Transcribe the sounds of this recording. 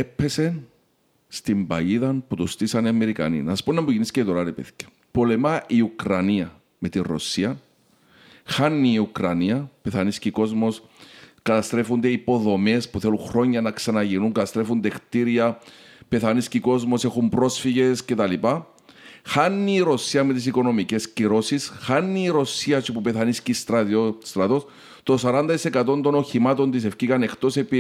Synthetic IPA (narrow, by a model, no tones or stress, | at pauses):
epʰːe̞sen | st̪imbɐ̰jiðɐnput̪ost̪isɐniɐme̞ɾikɐ̰nḭnɐspunːɐmbuʝinisceit̪oɾaɾepḛθi̥ce̥ | polemaʔiukɾɐniɐ | me̞t̪iro̰siɐn | xanːiːukɾɐniɐpeθanisciko̞zmo̞s | kɐt̪ɐst̪ɾe̞fund̪eipo̞ðo̞me̞spuθeluŋxɾo̞ɲːɐnɐksɐnɐʝinuŋkɐt̪ɐst̪ɾe̞fund̪ext̪iɾiɐpe̞θɐnisciko̞zmo̞sexumbɾo̞sfiʝe̞sce̞t̪ɐlipa | xanːiːɾo̞siɐme̞t̪is̬iko̞no̞mice̞sciɾo̞sisxanːiːɾo̞siɐt͡ʃupupe̞θɐniscist̪ɾɐt̪ost̪ɾɐt̪o̞s | t̪o̞sɐɾɐnd̪ɐt̪isekɐt̪o̞nd̪o̞no̞çimɐt̪o̞nt̪̬is̬e̞fcikɐne̞xt̪o̞sepi